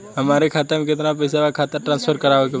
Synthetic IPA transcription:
ɦəmaːɾekʰaːt̪əɾmekɪt̪nap̬ɐɪsabakʰaːt̪əɾʈɾãːnspʰəɾkəɾaːʋeke

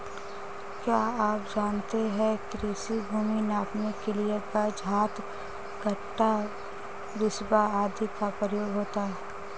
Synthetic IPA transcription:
kjaːaːp̚d͡ʒaːnt̪eɦɛ̃kɾiːsibʱuːminaːkmekeliekad͡ʒʱaːt̪ | ɡʱɐʈːa | ʋɪsbaaːd̪ʱikapɾəjoːɡɦoːt̪aɦɛː

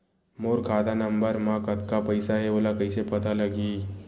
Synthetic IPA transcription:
moːɾkʰaːd̪anɐ̃mbəɾmãkɐt̪kapɐɪsaɦɛoːlakɐɪsepɐt̪alɐɡiː

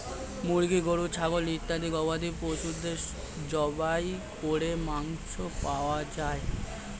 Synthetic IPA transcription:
muɽɡiɡoɽut͡ɕʰabolit̪ːad̪iɡɔbad̪iposud̪eʃ | d͡ʒɔbajkoɽemaŋʃʰopaoad͡ʑae

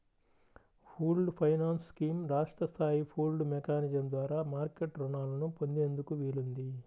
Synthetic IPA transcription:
pʰuːlɖpʰɐjnaːnsskiːmɾaːʂʈɾɐst̪ʰaːjipʰuːlɖmɛkaːnid͡ʒɐmd̪ʋaːɾaːmaːɾkeʈɾɔɳaːlɐnupo̞nd̪eːnd̪ukuʋilund̪i

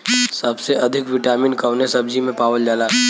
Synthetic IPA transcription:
sɐbseʔɐd̪ʱɪkʋɪʈaːmɪnkɐʋnesɐbd͡ʒimẽpaːʋəld͡ʒaːlaː

